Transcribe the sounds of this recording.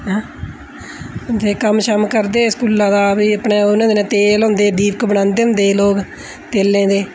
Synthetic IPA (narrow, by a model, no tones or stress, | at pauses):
ɦ | t̪eːkəmʃəmkəɾd̪eːskuːlãːd̪aːbiːəpɳeːʊnãːd̪eːñːt̪eːlõːnd̪eːd̪iːp̚kbəɽãːnd̪eːʊ̃nd̪eːloːk | t̪eːlːẽːd̪eː